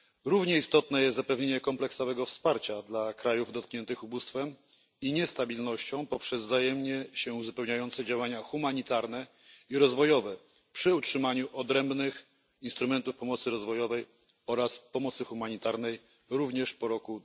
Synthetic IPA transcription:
ɾuvɲɛist̪ɔt̪nɛjɛst̪zapɛvɲeɲɛkɔmplɛksɔvɛɡɔfspaɾt͡ɕad̪lakɾajuvd̪ɔt̪̚kɲɛnt̪ɘxubust̪fɛm | iɲɛst̪abʲilnɔɕt͡ɕɔ̃w̃pɔpʂɛzzajɛmɲɛɕɛuzupɛwɲajɔnt̪sɛd͡ʑawaɲaxumaɲit̪aɾnɛ | iɾɔzvɔjɔvɛ | pʂɘutʂɘmaɲuʔɔd̪ɾɛmbnɘx | inst̪ɾumɛnt̪ufpɔmɔt̪sɘɾɔzvɔjɔvɛj | ɔɾaspɔmɔt̪sɘxumaɲit̪aɾnɛj | ɾuvɲɛʂpɔɾɔku

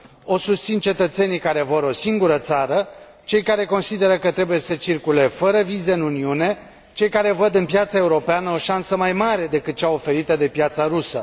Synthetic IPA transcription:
o̞sust̪sint͡ʃe̞t̪ət̪se̞nijkaɾe̞vəɾo̞siŋɡuɾət̪saɾə | t͡ʃe̞jkaɾe̞ko̞nsid̪e̞ɾəkət̪ɾe̞buje̞sət͡ʃirkule̞fəɾəvize̞ɨnuniune̞ | t͡ʃe̞jkaɾe̞vəd̪ɨnpjat̪sae̞uɾo̞peanəo̞ʃansəmajmaɾe̞d̪e̞kɨt̪̚t͡ʃaofe̞ɾit̪əd̪e̞pjat̪saɾusə̰

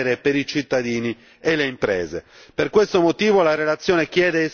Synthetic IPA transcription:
ɾepeɾit͡ʃit̪ːad̪iːni | elːeimpɾɛːzḛperkwest̪omot̪iːvolarelat̪sːjɔːnek̟jɛːd̪e

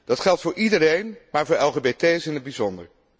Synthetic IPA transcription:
d̥ɑtχɛlˠtfʊːɹʔidəɾejnmaːɹvʊːɹɛlˠχebetejsɪnəd̚bizɔndə̰ɹ

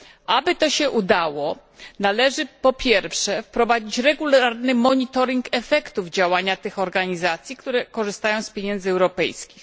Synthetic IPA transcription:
ʔabɘt̪ɔɕɛʔud̪awɔ | nalɛʐɘpɔpʲjɛɾfʂɛfpɾɔvad͡ʑit͡ɕɾɛɡulaɾnɘmɔɲit̪ɔɾʲiŋkɛfɛkt̪uvd͡ʑawaɲat̪ɘxɔɾɡaɲizat̪sʲjikt̪uɾɛkɔʐɘst̪ajɔ̃w̃spʲjeɲɛnzɘɛwɾɔpɛ̰jskʲix

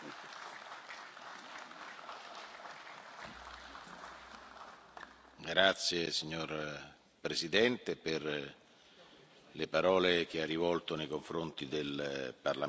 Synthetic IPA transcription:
ɡɾat̪sjesiɲːor | pɾezid̪ɛnt̪eper | lepaɾɔːlek̟earːivɔlt̪onejkoɱfɾont̪id̪elparla

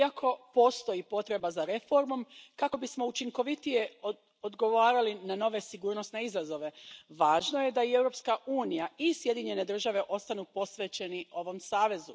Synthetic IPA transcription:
akʰo̞po̞ːst̪o̞jipo̞t̪ɾe̞bazaɾe̞fo̞ɾmo̞mkako̞bismo̞ut͡ʃiŋko̞ʋit̪ije̞ | od̪ɡo̞ʋaːɾalinano̞ʋe̞siɡuːɾno̞sne̞izazo̞ʋe̞ʋaːʒno̞je̞d̪aie̞wɾo̞pskaʔuːnijaisje̞d̪iɲe̞ne̞d̪r̩ʒaʋe̞ʔo̞st̪anupo̞sʋe̞t͡ɕe̞niʔo̞ʋo̞msaːʋe̞zu

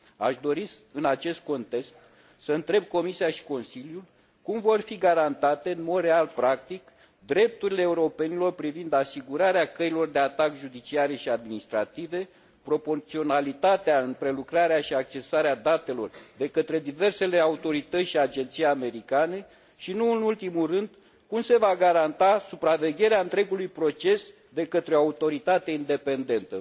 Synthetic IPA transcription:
a̰ʃd̪o̞ɾisɨnat͡ʃe̞st̪̚ko̞nt̪e̞kst̪ | səɨnt̪ɾe̞b̚ko̞misiaʃi̥ko̞nsiljul | kumvo̞rfiɡaɾant̪at̪e̞ɨnmo̞d̪rɾe̞alpɾak̚t̪ik | d̪ɾe̞p̚t̪uɾile̞ːuɾo̞pe̞nilo̞rpɾivind̪asiɡuɾaɾeakəilo̞rd̪e̞at̪akʒud̪it͡ʃiaɾe̞ʃiad̪minist̪ɾat̪ive̞ | pɾo̞po̞rt̪sio̞nalit̪at̪eaɨnpɾe̞lukɾaɾeaʃiak̚t͡ʃe̞saɾead̪at̪e̞lo̞rd̪e̞kət̪ɾe̞d̪ive̞rse̞le̞aut̪o̞ɾit̪ət̪sʲʃiad͡ʒe̞nt̪sijame̞ɾikane̞ | ʃinuɨnult̪imulrɨnd̪ | kumse̞vaɡaɾant̪asupɾave̞ɡʲe̞ɾeaɨnt̪ɾe̞ɡulujpɾo̞t͡ʃe̞s | d̪e̞kət̪ɾeoaut̪o̞ɾit̪at̪aind̪e̞pe̞nd̪e̞nt̪ə

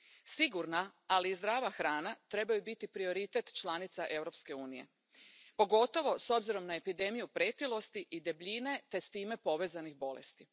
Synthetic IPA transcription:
siɡuɾnaalizd̪ɾaːʋaxɾaːnat̪ɾe̞bajubit̪ipɾio̞ɾit̪e̞t̪t͡ʃlˠanit̪saʔe̞wɾo̞pske̞uːnije̞̰ | po̞ɡo̞t̪o̞ʋo̞so̞bziɾo̞mnae̞pid̪e̞mijupɾeːt̪ilˠo̞st̪iʔid̪ebʎine̞t̪e̞st̪iːme̞po̞ʋe̞ːzanixbo̞lḛst̪i

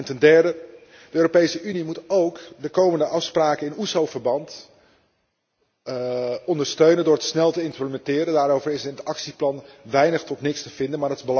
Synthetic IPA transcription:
ntɛndɛɹdə | dəøːropejsəʔynimutowkdəkowməndəʔɑfspraːkənɪnusowvəɹbɑnt | ɔndəɹstøɥnəndʊːɹətsnɛlˠtəɪntrəmɛntɪːɾəndaːɾowvəɹɪsəɪnətɑksiplɑnʋɛjnəχtɔtnɪkstəv̥ɪndənmaːdtɪzbəl

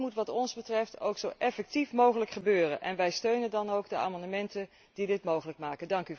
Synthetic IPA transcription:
mutʋɑtɔnzbətrɛfto̰wksowʔɛfɛk̚tifmowχələkχəbøːrənʔɛ̰nʋɛjstøɥnəndɑnowɡdəa̰ːmɑndəmɛntən | d̥idɪtmowχələk̚maːkəndɑŋky

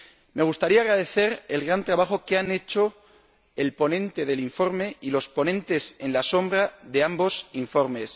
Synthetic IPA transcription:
me̞ɣ̞ust̪aɾiaɣɾaðe̞θe̞ɾe̞lɣɾant̪ɾaβ̞axo̞keane̞t͡ʃo̞ | e̞lpo̞nẽ̞nt̪e̞ð̞e̞liɱfo̞ɾme̞ilo̞spo̞nẽ̞nt̪e̞se̞nlaso̞mbɾaðe̞ambo̞siɱfo̞ɾme̞s

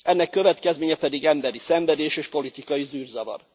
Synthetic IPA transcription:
ɛnːɛkːø̞vɛt̪kɛzmeːɲɛpɛd̪iɡɛmbɛɾisɛɱvɛd̪eːʃeːʃpo̞lit̪ikɒjizyːrzɒvɒ̰r

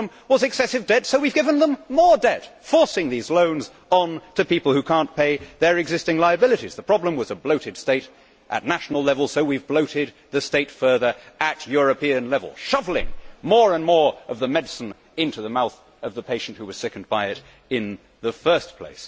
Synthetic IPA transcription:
m | wʌzɨksɛsɨvdɛdsoʊwivɡɪvə̃nðə̃mmɔɹdɛtfɔɹsɪ̃ŋðizlõʊ̃nz | n̩tʰɨpipl̩ˠhʉkʰæ̃npʰeɪðə˞ɨɡzɪstɪ̃ŋlaɪɨbɪlˠɨɾiz̥ðəpʰɹ̥ɑblə̃mwʌzəbloʊɾɨd̥steɪɾ | ʔɨ̰tⁿnæʃn̩l̩ˠlɛvl̩ˠsoʊwivbloʊɾɪd̪̚ | ðɨsteɪtfɜ˞ðə˞ɨt͡ʃjʊɹɨpiɨ̃nlɛvl̩ˠʃʌvl̩ˠɪ̰̃ŋmɔɹə̃nmɔɹʌvðəmɛdsɨ̃n | ɪ̃ntʉðəmaʊθ | ʌvðəpʰeɪʃn̩ʔ̚hʉwʌz̥sɛkn̩̚baɪɪɾ | ɪ̃n | ðəfɜ˞spʰl̥ḛɪs

